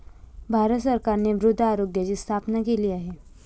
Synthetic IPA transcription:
bʱaːɾət̪səɾkaːɾnebɾʊd̪ʱːaːɾoːɡjəd͡ʑist̪ʰaːpnakeliaɦeː

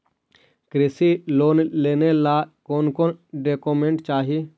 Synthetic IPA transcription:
kɾɪsiloːnleːnelakoːnkoːnɖeːkoːmẽɳʈt͡ʃaːɦi

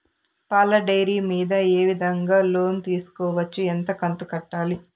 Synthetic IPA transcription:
paːlɐɖɐjɾiːmiːd̪ɐeːʋid̪ʱɐŋɡaːlo̞ːnt̪iːsu̥kɔːʋɐt͡ʃːient̪ɐkɐnt̪ukɐʈːaːli

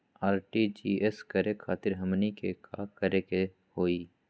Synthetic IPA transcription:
aːɾʈid͡ʒiːeskɐɾekʰaːt̪ɪɾɦɐmnikekakɐɾeke | hoːiː

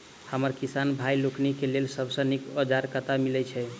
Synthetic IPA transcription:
həməɾkisanbʱajloknikelelsəbsə̃nikəd͡ʒaɾkət̪amilɛt͡ʃʰɛ

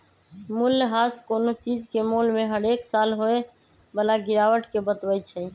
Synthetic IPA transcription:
muljɦaskonot͡ʃid͡ʒkemolmeɦəɾeksalɦoe | bəlaɡiɾawəʈkebət̪bət͡ʃʰɛ

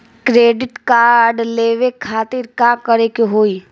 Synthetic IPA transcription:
kɾeːɖɪʈkaːɾɖleːʋekʰaːt̪ɪɾkãːkəɾekeɦoːi

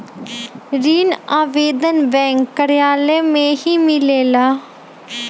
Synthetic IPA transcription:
ɾiːnaːʋeːd̪ənbɛ̃ːŋkːəɾɪjaːleːmẽɦiːmɪleːlaː

